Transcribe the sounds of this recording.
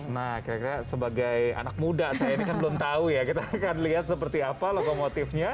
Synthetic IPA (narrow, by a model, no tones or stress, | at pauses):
nahkiɾakiɾasəbaɡaja̰nak̚mudasajainikanbəlʊmt̪aujakit̪akanliɦat̪̚səpərt̪iapalokomot̪ɪfɲa